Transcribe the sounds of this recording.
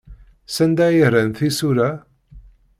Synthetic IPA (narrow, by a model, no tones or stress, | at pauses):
sænd̪æjəɾænθisuɾæ